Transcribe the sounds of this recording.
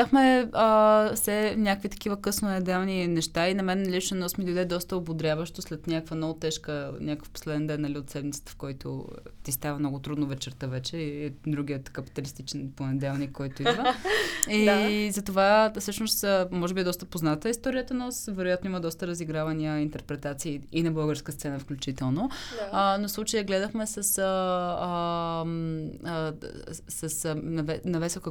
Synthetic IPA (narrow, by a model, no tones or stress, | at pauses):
axmɛəsɛnʲakvit̪ɐ̥k̟ivəkɤsnonɛd̪ɛlˠninɛʃt̪ainɐmɛnːɐlit͡ʃənɔsmid̪oid̪ɛd̪ɔst̪əobod̪ɾʲavəʃt̪oslɛt̪nʲakkvɐnɔvʊt̪ɛʃkənʲakə̥fpo̥slɛd̪ɛnd̪ɛnːɐliot̪sɛd̪mit̪sə̥t̪ə̥fkɔjt̪ʊ̰t̪ist̪avəmnɔɡʊt̪ɾud̪nʊvɛt͡ʃɛɾt̪əvɛt͡ʃɛiɛd̪ɾuɡ̟ʲiət̪kəpi̥t̪ɐlist̪it͡ʃɛnponɛd̪ɛlˠnikːɔjt̪ʊid̪və | izɐt̪ovasɤʃnosəmɔʒɛbiɛd̪ɔst̪əpoznat̪əist̪ɔɾijət̪ənosvɛɾoʊjat̪noiməd̪ɔst̪əɾəziɡɾavɐniəint̪ɛɾpɾɛt̪at̪siːinɐbɤlˠɡəɾskəst̪sɛnəfklʲut͡ʃit̪ɛlˠnoənofslˠut͡ʃəjəɡlɛd̪əxmɛsəsəəm | səsnɐvɛnɐvɛsokə